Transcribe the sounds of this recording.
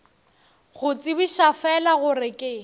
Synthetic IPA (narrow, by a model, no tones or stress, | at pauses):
ɣʊt͡sʼibiʃafɛlaɣʊrɪkʼɪ